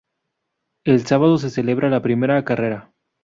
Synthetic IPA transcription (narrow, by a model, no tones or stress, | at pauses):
e̞lsaβað̞o̞s̬e̞se̞le̞β̞ɾalapɾime̞ɾakare̞ɾa